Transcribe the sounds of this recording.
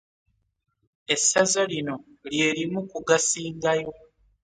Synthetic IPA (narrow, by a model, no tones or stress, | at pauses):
e̞sazalino̞ | lje̞ːɾimukuɡasiːŋɡajo̞